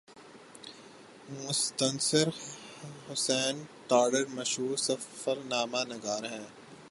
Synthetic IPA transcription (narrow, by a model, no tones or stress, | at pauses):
mʊst̪ənsəɾ | hʊsɛːnʈ̪aːɖəɾmɐʃɦuːɾsɐfəɾnaːmaːnɐɡaːɾɦɛ̃ː